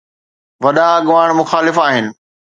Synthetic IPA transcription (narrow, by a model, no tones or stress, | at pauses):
ʋɐɗãɐɠʊʋaːɽ̃mʊxaːlɪfaːɦɪnɪ̆